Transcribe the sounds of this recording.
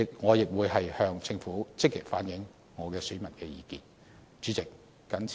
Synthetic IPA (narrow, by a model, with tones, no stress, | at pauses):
ɪ˨k̚ŋɔː˨˧jɪ˨k̚wuː˨˧jɐ˨jhœː˧ŋt͡sɪ˧ŋfuː˨˥t͡sɪ˥k̚ːi˨k̚faː˨˥njɪ˨˥ŋ | ŋɔː˨˧kɛː˧sy˨˥mɐ˨˩nkɛː˧jiː˨˧kiː˨˩n | t͡ʃyː˨˥t͡sɪ˨k̚ː | ɐ˨˥nt͡s